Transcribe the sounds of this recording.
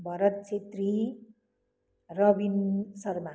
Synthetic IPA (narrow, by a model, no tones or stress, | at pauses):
bʱʌɾʌt̪̚t͡ʃʰet̪ri | rʌbinsʌrma